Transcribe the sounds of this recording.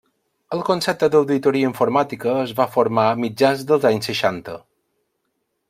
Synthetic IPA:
əlˠkonsɛp̚t̪əd̪əwðit̪oɾiəiɱfoɾmat̪ikəːzβafoɾmamid͡ʒanzd̪əlˠzaɲsːəʃant̪ə̰

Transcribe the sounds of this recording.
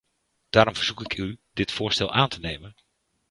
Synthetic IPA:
d̥aːɾɔmvəɹz̥ukɪkʰydɪtfʊːɹstɛlˠʔaːntənejmən

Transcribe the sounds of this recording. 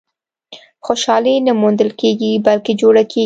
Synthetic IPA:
xoʃɑlenamund̪əlkeɡibalked͡ʒoɽakʰe

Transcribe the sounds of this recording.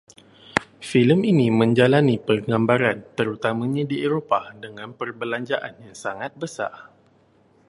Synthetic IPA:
filəminimə̃ɲd͡ʒalanipərɡambaɾant̪əɾut̪amãɲãdieɾopadəŋãnpərbəlaɲd͡ʒaʔanjaŋsaŋat̪̚bəsa̰r

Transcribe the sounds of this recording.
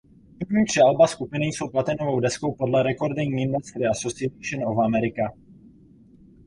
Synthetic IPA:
p̩vɲiːt̪r̥ɛalbaskupɪnɪjso̞wplat̪ɛnovo̞wdɛsko̞wpo̞dlɛɾɛko̞ɾdɛɲɪndɛst̪ɾɪasosɪɛt̪iʃɛnovamɛɾɪka

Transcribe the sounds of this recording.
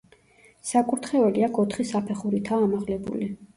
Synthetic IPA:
sakʼuɾt̪ʰχɛvɛliakʰɔt̪ʰχisapʰɛχuɾit̪ʰaːmaʁlɛbṵli

